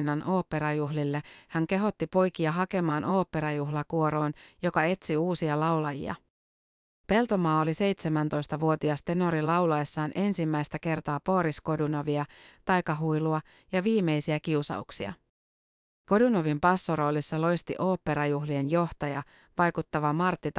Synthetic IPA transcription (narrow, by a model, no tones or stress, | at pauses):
nɑnʔo̞ːpːe̞ɾɑjuɦlilːehæŋke̞ɦo̞t̪ːipo̞jkiɑɦɑke̞mɑːno̞ːpːe̞ɾɑjuɦlɑkuo̞ɾo̞ːnjo̞kɑe̞t̪siuːsiɑlɑulɑjḭɑ̰ | pe̞lt̪o̞mɑːolise̞jt̪se̞mænt̪o̞jst̪ɑʋuo̞t̪iɑst̪e̞no̞ɾilɑwlɑesːɑːnʔe̞nsimːæjst̪æke̞rt̪ɑːpo̞ːɾisko̞dunoʋiɑt̪ɑjkɑɦujluɑ | jɑʋiːme̞jsiækiusɑ̰uksiɑ̰ | ko̞dunoʋimpɑsːoɾo̞ːlisːɑlo̞jst̪ḭʔo̞ːpːe̞ɾɑjuɦlienjo̞ht̪ɑjɑ | ʋɑjkut̪ːɑʋɑmɑrt̪ːit̪ɑ